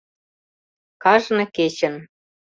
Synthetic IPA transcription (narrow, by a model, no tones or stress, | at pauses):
kɑʒnĕket͡ɕə̆n